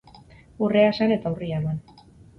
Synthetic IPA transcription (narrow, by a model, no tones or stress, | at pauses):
ureasane̞t̪aurialoan